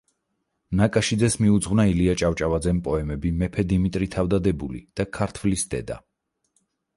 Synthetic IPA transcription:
nakʼaʃid̪zɛsmiud̪zʁwnailiat͡ʃʼavt͡ʃʼavad̪zɛmpʼɔɛmɛbimɛpʰɛd̪imit̪ʼɾit̪ʰavd̪ad̪ɛbulḭd̪̥akʰaɾt̪ʰvlisd̪̥ɛ̰d̪a̰

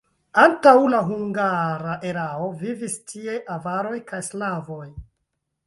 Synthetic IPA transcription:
antawlaɦuŋɡaɾaʔe̞ɾao̞vivistʰie̞ʔavaɾo̞jkajslavo̞j

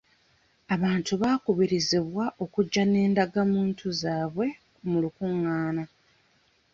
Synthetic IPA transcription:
aβaːntuβaːkuβiɾiziβwaʔo̞kuɟːane̞ːndaɡamuːntʰuzaːβwe̞ | mulukuŋːaːna

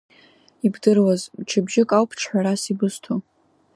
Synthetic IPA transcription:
ibdɨrwazmt͡ʃʰabʒɪkʼawpʰʈ͡ʂʰħʷᶣaɾasibɨstʰo

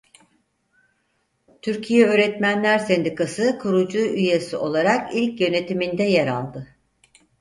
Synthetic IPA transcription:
t̪ʰyɾcʰijɛøːɾɛt̪mænlʲæɾsɛnd̪ikasɯkʰuɾud͡ʒuʔyjesio̞lˠaɾakilʲcjø̞ne̞t̪imind̪ɛjeɾa̰lˠd̪ɯ

